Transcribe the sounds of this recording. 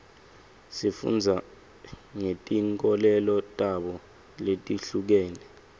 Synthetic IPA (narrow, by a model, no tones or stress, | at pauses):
sifṵnd͡zʱa | ŋetʼiŋkʼɔlɛlɔtʼaɓɔ | letʼiɬuk̬ɛːnɛ